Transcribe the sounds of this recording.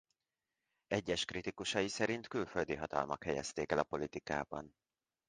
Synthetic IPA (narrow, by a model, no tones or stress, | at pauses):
ɛɟːɛʃkrit̪ikuʃɒjisɛɾint̪kylføld̪iɦɒt̪ɒ̰lmɒkhɛjɛ̰st̪eːkɛlɒpo̞lit̪ikaːbɒn